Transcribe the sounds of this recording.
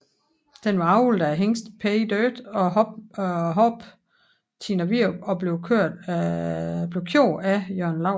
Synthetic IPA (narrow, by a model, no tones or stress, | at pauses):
d̥enʋɑ̈ɑ̈ʊuld̥æɦeŋsd̥pʰed̥øːd̥ɒ̥̽ | ɦɒb̥ | t͡sʰinɐʋiɐɒ̽b̥le̝ʊkʰøɐ̰̥ | b̥le̝ʊkʰjo̰ːæjøɐ̰nlɑʊ̰